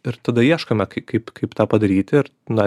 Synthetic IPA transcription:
ɪɾt̪ɐd̪ɐjiɛʃkɐmʲɛkɐɪkɐɪpkʰɐɪpt̪ɑːpɐd̪ɐɾʲiːt̪ʲɪɪɾ | nɐ

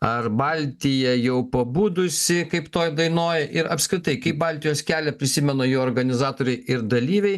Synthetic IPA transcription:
ɐrbɑlʲt̪ʲɪjɛjɛʊpɐbuːd̪ʊsʲɪkɐɪpt̪oːjd̪ɐɪnoːjʔɪɾɐpʲskɾʲɪt̪ɐɪkɐɪp̚bɑlʲt̪ʲɪjoːskʲæːlʲɛpʲɾʲɪsʲɪmʲɛnoːjoːoːɾɡɐnʲɪzɑːt̪oːɾʲɛɪɪɾd̪ɐlʲiːʋʲɛɪ

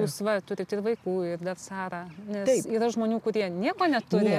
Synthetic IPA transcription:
uːsʋɐt̪ʊɾʲɪt̪ɪrʋɐɪkuːɪrd̪ɐrsɑːɾɑːnʲɛɪiːɾɐʒmoːnʲuːkʊɾʲiɛnʲiɛkoːnʲɛt̪ʊɪ

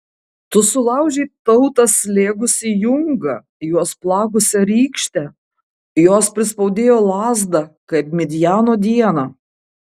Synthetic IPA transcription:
t̪ʊsʊlˠɐʊʒʲɛɪt̪ɐʊt̪ɐslʲeːɡʊsʲɪjʊŋɡɐ | juɔsplˠɑːɡʊsʲɛɾʲiːkʃʲt̪ʲɛ | joːspʲɾʲɪspɐʊd̪ʲeːjoːlˠɑːzd̪ɐkɐɪpmʲɛd̪ʲɪjæːnoːd̪ʲiɛnɑ

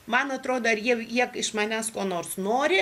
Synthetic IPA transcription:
mɐnɐt̪ɾoːd̪oːɐɾjiɛjiɛkɪʃmɐnʲæːskoːnoːrsnoːɾʲɪ

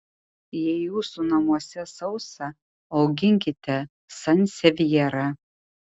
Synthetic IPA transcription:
jɛɪjuːsunɐmuɔsʲɛsɐʊsɐ | ɐʊɡʲɪŋʲkʲɪt̪ʲʰɛ | sɐnʲsʲɛʋʲjɛɾɐ

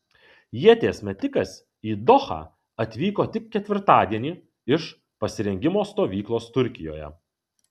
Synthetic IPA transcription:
jiɛt̪ʲeːsʲmʲɛt̪ʲɪkɐs | iːd̪ɔxɑ̰ː | ɐt̪ʲʋʲiːkoːt̪ʲɪkʲkʲɛt̪ʲʋʲɪɾt̪ɑːd̪ʲiɛnʲiː | ɪʃ | pɐsʲɪɾʲɛŋʲɡʲɪmoːst̪oːʋʲiːklˠoːst̪ʊɾʲkʲɪjo̰ːjɛ̰

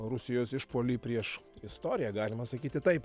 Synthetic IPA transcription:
ɾʊsʲɪjoːsɪʃpoːlʲiːpʲɾʲiɛʃɪst̪oːɾʲɪjæɡɑːlʲɪmɐsɐkʲiːt̪ʲɪt̪ɐɪp

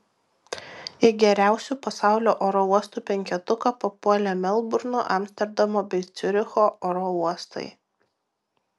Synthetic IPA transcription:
ɪɡʲɛɾʲæˑʊsʲuːˑpɐsɑˑʊlʲoːʔoːɾɔuɔst̪uːˑpʲɛŋʲkʲɛt̪ʊkɐpopuɔlʲɛmʲɛlˠbʊɾno̰ʔɐmʲsʲt̪ʲɛɾd̪ɐmoːbʲɛɪt̪sʲʊɾʲɪxoːʔoːɾɔuɔst̪ɐ̰ɪ

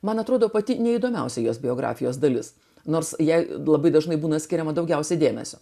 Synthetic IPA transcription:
mɐnɐt̪ɾoːd̪oːpɐt̪ʲɪnʲɛid̪oːmʲɛʊsʲɛɪjoːsbʲɪoːɡɾɑ̰ːfʲɪjoːs̬d̪ɐlʲɪs | noːrsjɛɪlˠɐbɐɪd̪ɐʒnɐɪbuːnɐsʲkʲɪɾʲɛmɐd̪ɐʊɡʲɛʊsʲɛɪd̪ʲeːmʲɛ̰sʲoː

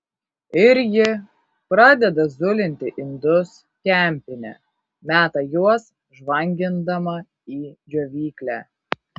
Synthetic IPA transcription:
ɪɾʲjʲɪ | pɾɑːd̪ʲɛd̪ɐzʊlʲɪnʲt̪ʲɪʔɪnd̪ʊs | kʲɛˑmʲpʲɪnʲɛ̰ | mʲæːt̪ɐjuɔs | ʒʋɐŋʲɡʲɪnd̪ɐmɐ | iːd͡ʒʲoʋʲiːklʲæː

